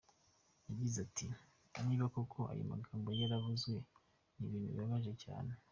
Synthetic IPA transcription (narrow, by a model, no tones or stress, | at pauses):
jaɟizatʰi | niːβakokʰoʔa̰jo̰ma̰ɡaːmbojaɾavuzɡwe̞ | niβiːnṵβaβaʒe̞ca̰ːne̞